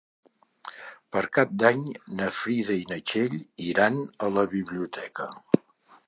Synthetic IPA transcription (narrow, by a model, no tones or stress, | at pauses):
pəɾkap̚d̪aɲnəfɾiðəinət͡ʃeʎiɾanələβiβ̞liut̪ʰɛkə